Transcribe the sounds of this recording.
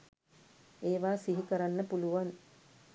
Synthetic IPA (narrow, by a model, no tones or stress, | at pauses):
eːʋaːsiɦikəɾanːəpuluʋan